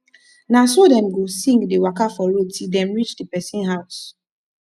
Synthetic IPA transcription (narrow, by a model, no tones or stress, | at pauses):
nasodɛ̃mɡosĩŋɡdewakafɔɹod̚tʰildɛ̃mɹit͡ʃdepɛsĩnɦaʊs